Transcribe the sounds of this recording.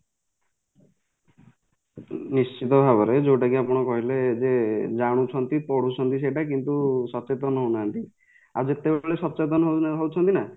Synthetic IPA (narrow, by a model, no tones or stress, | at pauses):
nist͡ʃit̪ɔbʱabɔɾed͡ʒowʈakiapɔɽ̃ɔkɔɦiled͡ʒed͡ʒaɽ̃ut͡ʃʰɔnt̪ipɔɽut͡ʃʰɔnt̪is̬eʈak̬int̪usɔt͡ʃet̪ɔnɔɦownaant̪i | a̰d͡ʒet̪ebeɭesɔt͡ʃet̪̬ɔnɔɦoɦowt͡ʃʰɔnt̪ina